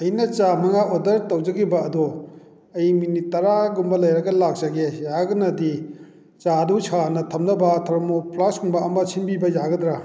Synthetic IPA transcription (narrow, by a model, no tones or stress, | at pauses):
ɐjnɐt͡ʃamɐŋaʔodɐɾtɐwd͡ʒɐɡibɐɐdo | ɐjminitɐɾaɡumbɐlɐjɾɐɡɐlak̚d͡ʒɐɡejaɡɐnɐdi | t͡ʃadut͡ʃʰanɐtʰɐmnɐbɐtʰɐɾmopʰlashuŋbɐɐmɐt͡ʃʰinbibɐjaɡɐdɾa